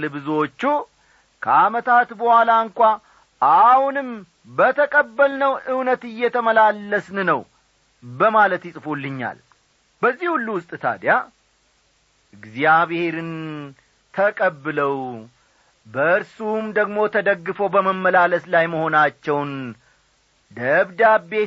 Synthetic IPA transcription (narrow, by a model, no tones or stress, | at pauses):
lɨβɨzwo̞t͡ʃːu | kʰəamət̪ʰat̪bəhwʷalaɨŋkʷʼa | ʔahunɨm | bət̪ʰəkʼəbːəlnəwʔɨwnət̪ɨjːɛt̪ʰəməlalːəsnɨnəw | bəmalət̪jɪsʼfolːɨɲːa̰l | bəzːihulːuwʊst̪ʼt̪ʰa̰d̪ja | ɨɡzijaβhe̞ɾɨn | t̪ʰəkʼəbːɨləw | bəɨɾsumd̪əɡmo̞t̪ʰəd̪əɡːɨfowbəməmːəlaləslajməho̞nat͡ʃːɛwn | d̪əβd̪abe